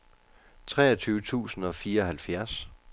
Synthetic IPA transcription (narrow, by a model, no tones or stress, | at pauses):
t͡sʰʁɛ̰ːɐt͡sʰyːʊət͡sʰṵːsn̩ɒ̽fiːɐɒ̽ɦælfjæɐs